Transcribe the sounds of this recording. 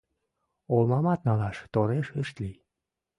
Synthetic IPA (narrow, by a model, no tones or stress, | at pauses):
olmɑmɑt̪nɑlɑʃt̪oɾeʃəʃt̪li